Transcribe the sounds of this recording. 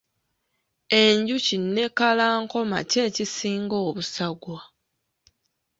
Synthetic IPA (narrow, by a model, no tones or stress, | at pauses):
e̞ɲɟucinːe̞kalaːŋko̞ma̰ce̞ːcisiːŋɡo̞ːβusaɡwa